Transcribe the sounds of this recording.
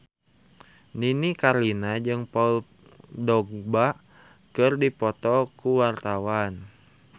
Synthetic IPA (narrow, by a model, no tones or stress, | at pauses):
ninikarlinad͡ʒɨŋpɔl | dɔɡ̚ba | kɨrdipɔt̪ɔkuwart̪awan